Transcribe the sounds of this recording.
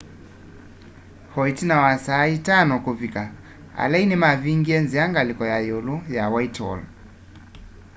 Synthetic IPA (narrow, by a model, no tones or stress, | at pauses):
hɔitinawasaːitanɔkuvika | a̰lɛinimaviŋɡiɛnziaŋɡalikɔjajulujawaitwɔ̰l